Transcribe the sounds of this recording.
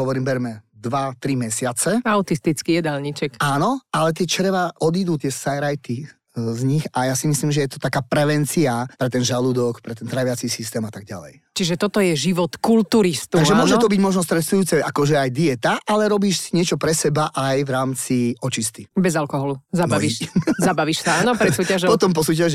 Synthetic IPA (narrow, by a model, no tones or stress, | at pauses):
ɦɔʋɔɾiːmbɛɾmɛd̪ʋat̪ɾimɛsɪat͡sɛaʊt̪ist̪it͡skijɛd̪alɲit͡ʃɛkaːnɔalɛt̪̬ɪɛt͡ʃɛɾʋaʔɔd̪id̪uːt̪ɪɛsajɾajt̪i | zɲixajasimisliːmʒɛjɛt̪ɔt̪akaːpɾɛʋɛnt͡siapɾɛt̪ɛnʒalud̪ɔkpɾɛt̪ɛnt̪ɾaʋɪat͡sisist̪ɛːmat̪aɡ̚ɟa̰lɛ̰j | t͡ʃiʒɛt̪ɔt̪ɔjɛʒiʋɔt̪kult̪uɾist̪uaɡʒɛmʊɔʒɛt̪ɔbiɟmɔʒnɔst̪ɾɛsujuːt͡sɛʔakɔʒɛajd̪iɛt̪aʔalɛɾɔbiːʃsiɲɪɛt͡ʃɔpɾɛsɛbaʔajvɾaːmt͡siɔt͡ʃist̪ibɛzalkɔɦɔluzaaizabaʋiʃsaaːnɔpɾɛsuːcaʒpɔt̪ɔmp̬ɔs̬uːcaʒ